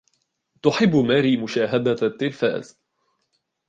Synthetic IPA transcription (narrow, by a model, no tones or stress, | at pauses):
t̪ʊħɪbːmaːɾiːmʊʃaːɦad̪at̪ːɪlfa̰ːz